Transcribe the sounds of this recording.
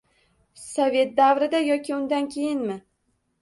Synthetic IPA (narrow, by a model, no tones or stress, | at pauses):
sɒvʲe̞t̪̚d̪avɾɪd̪ajɒkʲɪʊnd̪ankʲʰe̞jɪnmɪ